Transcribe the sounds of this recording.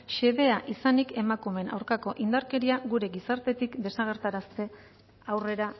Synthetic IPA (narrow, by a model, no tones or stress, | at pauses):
ʃe̞βe̞aʔisanike̞makume̞na̰wɾkako̞ʔind̪aɾke̞ɾiaɣuɾe̞ɡisaɾt̪e̞t̪ikd̪e̞saɣ̞e̞ɾt̪aɾast̪e̞ | awre̞ɾa